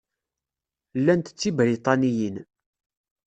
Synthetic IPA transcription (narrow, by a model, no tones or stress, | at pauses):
lːænt̪ət͡sːibɾit̪ˤɑnijin